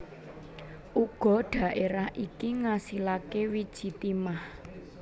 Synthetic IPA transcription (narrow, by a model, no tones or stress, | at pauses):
ʔuɡ̥ɔ̤ɖ̥ä̤ʔeɾahʔikiŋasilakewid̥ʒ̥i̤t̪imah